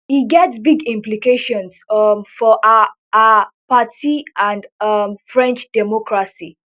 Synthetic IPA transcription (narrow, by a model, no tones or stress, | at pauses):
hiɡɛtsbiɡĩmplikeʃɔ̃nsmfɔʔ | apatiãndʌmfɹɛ̃nt͡ʃd̥ɛmɔkɹasi